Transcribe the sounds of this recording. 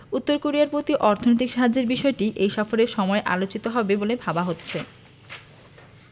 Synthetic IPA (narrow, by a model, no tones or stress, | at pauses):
ut̪ːoɾkoɾiaɾpɾot̪iʔɔɾt̪ʰonot̪ikʃaɦad͡ʑːeɾbiʃɔeʈiʔejʃɔfoɾeɾʃɔmɔeʔa̰lot͡ɕit̪oɦɔbebolebʱabaɦotːɕʰe